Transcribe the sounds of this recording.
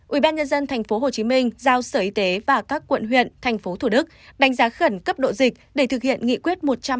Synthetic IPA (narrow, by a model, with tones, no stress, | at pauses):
ʔwi˧˩ɓaː˧nɲə˧nzə˧nt̪ʰɛ˨˩jŋ̟fo˨˦ɦo˨˩t͡ɕi˨˦mi˧ŋ̟zaː˧wsəː˧˩ʔi˧t̪e˨˦vaː˨˩kaː˦˥kːwə̰˧˨nɦwḭ˧˨ənt̪ʰɛ˨˩jŋ̟fo˨˦t̪ʰu˧˩ɗɨ˦˥k̚ɗa˨˦jŋ̟zaː˨˦xə˧˩nkə˦˥p̚ɗo̰˧˨zï˨˩k̚ɗe˧˩t̪ʰɨ˨˩k̚hḭ˧˨ənŋḭ˧˨kwi˦˥ət̚mo˨˩t̚t͡ɕa˧m